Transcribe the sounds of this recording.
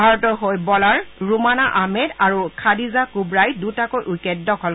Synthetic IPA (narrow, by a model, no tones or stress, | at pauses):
bʱaɹɔtɔɦojbɔlaɹɹumanaʔamɛdaɹukʰadizakubɹajdutakojʔukɛdːɔkʰɔl